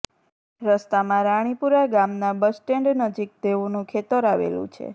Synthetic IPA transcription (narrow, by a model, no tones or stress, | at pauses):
ɾəst̪amãɾaɽ̃ipuɾaɡamnabəsʈeɳɖnəd͡ʒik̚d̪eunũkʰet̪əɾaʋḛlṵ̃t͡ʃʰḛ